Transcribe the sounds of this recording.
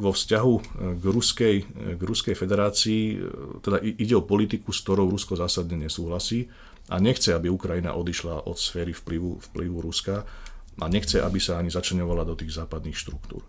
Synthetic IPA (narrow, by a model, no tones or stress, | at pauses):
ʋɔfscaɦuɡɾuskɛjɡɾuskɛjfɛd̪ɛɾaːt͡siːt̪ɛd̪aʔiɟɛɔpɔlit̪ikuskt̪ɔɾɔʊɾuskɔzaːsad̪ɲɛɲɛsuːɦlasiː | a̰ɲɛxt͡sɛabiukɾajina̰ʔɔd̪iʃlaʔɔ̰t̪sfɛːɾifpliʋufpliʋuɾuska | ʔaɲɛxt͡sɛʔabisaaɲizat͡ʃlɛɲɔʋalad̪ɔt̪iːɣzaːpad̪niːxʃt̪ɾuk̚t̪ṵːɾ